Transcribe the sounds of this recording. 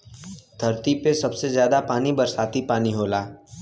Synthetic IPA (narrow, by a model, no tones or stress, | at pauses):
d̪ʱɐɾt̪ipesɐbsezjaːd̪apaːnibɐɾsaːt̪ipaːniɦoːlaː